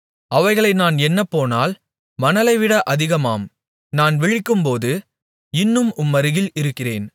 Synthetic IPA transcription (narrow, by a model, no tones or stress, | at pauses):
ʔɐʋɐɪɣɐɭɐɪnaːnɛnːɐpːoːnaːl | mɐnɐlɐɪʋɪɽɐʔɐðɪɣɐmaːm | naːnʋɪɻɪkːɯmpoːðɯ | ɪnːɯmʔʊmːɐɾɯɣɪlɪɾɯkːɪreːn